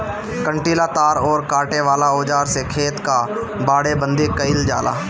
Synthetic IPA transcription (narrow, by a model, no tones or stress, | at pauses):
kə̃ɳʈiːlaːt̪aːɾɔːɾkaːʈeʋaːlaoːd͡ʒaːɾsekʰeːt̪ka | baːɽebə̃nd̪ekəɪld͡ʒa̰ːla̰ː